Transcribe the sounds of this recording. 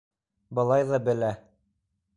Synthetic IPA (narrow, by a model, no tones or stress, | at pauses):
bɤ̆lˠɑjðɑbɘ̆læ